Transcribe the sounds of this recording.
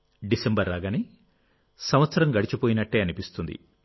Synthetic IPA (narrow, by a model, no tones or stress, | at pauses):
ɖisembɐɾːaːɡaːni | sɐmʋɐt̪sɐɾɐmɡɐɽit͡ʃipoːjinɐʈːeːɐnipist̪und̪ḭ